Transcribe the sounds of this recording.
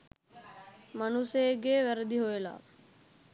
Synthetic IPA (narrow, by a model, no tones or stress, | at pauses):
manuseeɡeːʋæɾəd̪iɦojela̰